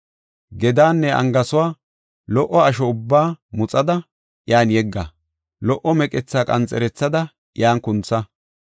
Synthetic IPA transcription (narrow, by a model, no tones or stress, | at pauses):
ɡɛd̪aːnːɛʔɐ̰ŋɡɐsʊwaː | lɔʔːɔɐʃ̬ɔʊbːaːmʊt͡sʼɐd̪ɐ | jaːnjɛɡːɐ | lɔʔːɔmɛkʼɛt͡sːaːkʼɐnt͡sʼɛɾɛt͡sːɐd̪ɐ | jaːnkʊnt͡sːɐ